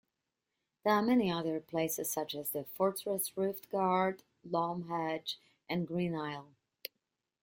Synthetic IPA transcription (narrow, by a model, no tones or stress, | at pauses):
ðə˞amɛniʌðə˞pʰl̥eɪsɨz̥sʌt͡ʃɨzðɨfɔɹtɹɛsɹʊftɡ̥ɑɹd | lɔmɦæd͡ʒ | ʔɨ̃nɡɹĩnaɪlˠ